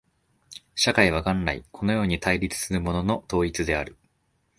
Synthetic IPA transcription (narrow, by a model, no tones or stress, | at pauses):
ɕakaiβaɡãnɾaḭkʰo̞no̞jo̞ːɲ̟it̪aiɾʲit͡sɨ̥sɨɾɯ̟mo̞no̞no̞t̪o̞ːit͡sɨd̪e̞aɾɯ̟